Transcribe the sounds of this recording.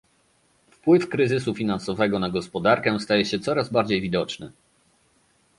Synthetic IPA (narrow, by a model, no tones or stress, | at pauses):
fpwɘfkɾɘzɘs̬ufʲinansɔvɛɡɔnaɡɔspɔd̪aɾkɛst̪ajɛɕɛt̪sɔɾazbaɾd͡ʑejvʲid̪ɔt͡ʂnɘ̰